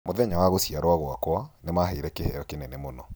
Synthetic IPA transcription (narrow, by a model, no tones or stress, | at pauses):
moðɛɲawaɣosiaɾwaɣwakwanemaɦeɾɛkehɛjɔkenɛnɛmonɔ